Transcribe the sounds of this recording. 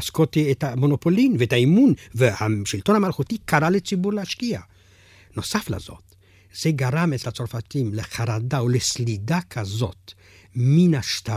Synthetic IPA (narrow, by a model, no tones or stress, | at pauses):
askotietamo̞no̞po̞linveetaimunvehaʃilt̪o̞nhamalχutikaʁalet͡sibuɾleaʃkia | no̞safla̰zo̞̰t̪ | z̥eɡaʁamet͡slat͡so̞ɾfatimleχaɾadaoleslidakʰazo̞̰t̪ | minaʃt̪a